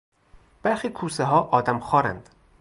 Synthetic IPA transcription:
b̥æɾxiːkʰuːseɦɒːʔɒːd̪æmxɒːɾæ̰nd̪̥

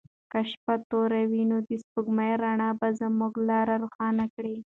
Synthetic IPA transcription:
kaʃpat̪oɾawinod̪espuɡmajɾaɳɑbazəmuɡlɑɾaɾuxɑnakɽi

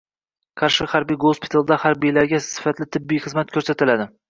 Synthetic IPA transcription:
qʰɑɾʃɪhaɾbijɡospʰɪ̥t̪ʰalˠd̪ahaɾbijlaɾɡʲasɪ̥fat̪lɪt̪ʰɪbːijχɨzmat̪̚kʲʰɵɾsat̪ɪlad̪ɪ

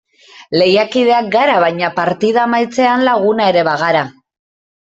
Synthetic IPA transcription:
le̞jakið̞e̞ak̚ɡaɾaβajɲapaɾt̪ið̞amajt͡se̞anlaɣ̞unaeɾe̞βaɣ̞aɾa

